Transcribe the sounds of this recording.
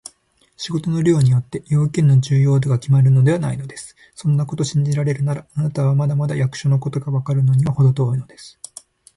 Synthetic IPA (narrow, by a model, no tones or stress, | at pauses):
ɕiɡo̞t̪o̞no̞ɾʲo̞ːɲ̟ijo̞t̪ːe̞jo̞ːkʲẽnːo̞d͡ʑɨːjo̞ːd̪oɡakʲimaɾɯ̟no̞d̪e̞β̞anaino̞d̪e̞sɨ̥ | sõ̞nːako̞t̪o̞ɕĩɲ̟d͡ʑiɾaɾe̞ɾɯ̟naɾaːnat̪aβamad̪amad̪ajakɯ̟̥ɕo̞no̞ko̞t̪o̞ɡaβakaɾɯ̟no̞ɲ̟iβaho̞d̪o̞t̪oːino̞d̪e̞sɨ̥